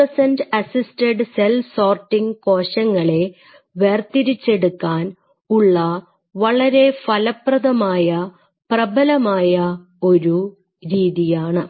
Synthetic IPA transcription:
ɐsɐndɐsisteɖselfsoːrʈːiŋko̞ːɕɐŋːɐɭe̞ | ʋert̪iɾit͡ɕːe̞ɽukːaːn | uɭːɐ | ʋɐɭɐɾe̞fɐlɐprɐðɐmaːjɐ | prɐbɐlɐmaːjɐ | o̞ɾu | ɾiːðijaːɳɨ

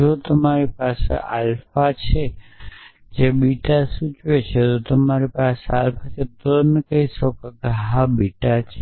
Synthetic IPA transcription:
ot̪əmaɾipasḛʔalfat͡ʃʰe | d͡ʒebiʈasut͡ʃʋet͡ʃʰet̪ot̪əmaɾipasealfat͡ʃʰet̪omekəisɔkkeɦabiʈat͡ʃʰe

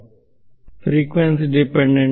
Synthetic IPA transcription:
fɾiːkʋẽnsiɖɪpɛ̃ɳɖẽɳ

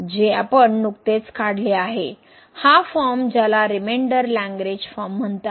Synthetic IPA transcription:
d͡ʑeapəɳnukt̪et͡skaɽ̤leaɦe | hafɔɾmd͡ʑalaɾimeɳɖəɾlæ̃ŋɡɾed͡ʑfɔɾmːəɳt̪a

